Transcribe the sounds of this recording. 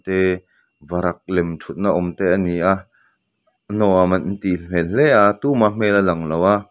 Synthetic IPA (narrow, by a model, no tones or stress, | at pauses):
t̪ɛ | vɐɾɐk̚lɛmtʰut̪̚naʔɔmt̪ɛʔɐniʔa | nɔamɐnn̩t̪im̥ɛllɛʔat̪uːmam̥ɛlalɐŋlɐwʔa